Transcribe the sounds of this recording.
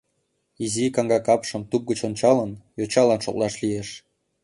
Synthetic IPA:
izikɑŋɡɑkɑpʃə̆mt̪up̚ɡət͡ɕont͡ɕɑlənjot͡ɕɑlɑnʃŏ̰klɑʃlijeʃ

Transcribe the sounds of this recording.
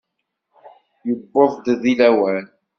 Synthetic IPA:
jəbːoðˤd̪ðilæwæl

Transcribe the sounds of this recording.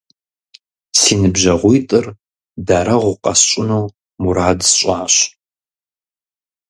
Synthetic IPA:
siːnɨbʒɐʁʷʊjtʼɨr | daːɾɐʁʷʊqʼɐsɕʼʊnɐw | muɾaːdsɕʷʼaːɕ

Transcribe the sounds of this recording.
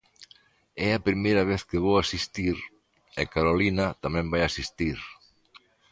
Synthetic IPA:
ɛɐpɾimejɾɐβ̞eθkɪβowasist̪iɾ | ḛkaɾolinɐt̪amɛ̃mbajasist̪iɾ

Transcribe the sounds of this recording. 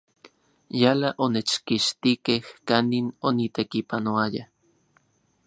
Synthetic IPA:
jalaʔonet͡ʃkiʃt̪ikehkaninonit̪ekipanoaja

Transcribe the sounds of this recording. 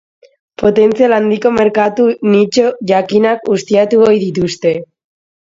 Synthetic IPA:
po̞t̪e̞nt͡sialand̪iko̞me̞ɾkat̪unit͡ʃo̞ʝakinakust̪iat̪uojðit̪̬ust̪e̞

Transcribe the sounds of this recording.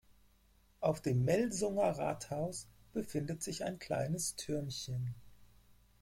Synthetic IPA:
ʔaʊfd̥eːmːɛlzʊŋɐʁa̰ːthaʊs | b̥əfɪndətz̥ɪçaɪnkʰl̥a̰ɪnəstʰʏɐnçən

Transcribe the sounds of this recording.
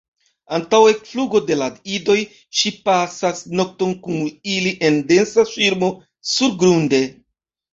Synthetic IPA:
antawe̞fluɡo̞de̞ladido̞j | ʃipasasno̞k̚to̞nkuniliʔe̞nde̞nsaʃiɾmo̞ | suɾɡɾunde̞

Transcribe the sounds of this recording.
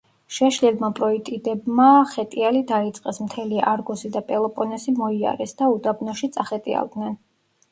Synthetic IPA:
ʃɛʃlɛlmapʼɾɔit̪ʼid̪ɛbmaχɛt̪ʼialid̪ait̪sʼqʼɛsmt̪ʰɛliaɾɡɔsid̪apʼɛlˠɔpʼɔnɛsimɔia̰ɾɛsd̪aud̪abnɔʃit̪sʼaχɛt̪ʼia̰lˠd̪nɛn

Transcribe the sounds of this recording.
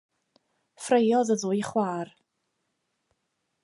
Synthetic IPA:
frejɔðəðʊjχwaːr

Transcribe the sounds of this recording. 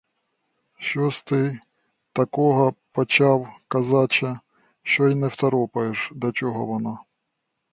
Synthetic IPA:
ʃt͡ʃɔst̪ɪ | t̪ɐkɔɦɐpɔt͡ʃɑwkɐzɑt͡ʃɐ | ʃt͡ʃɔjinɛwt̪ɐɾɔpɐjeʃd̪ʲɐt͡ʃɔɦɔ̰ʋɔnɑ

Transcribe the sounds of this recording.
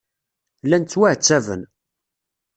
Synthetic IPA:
lːænt͡sːwæʕt͡sːævə̰n

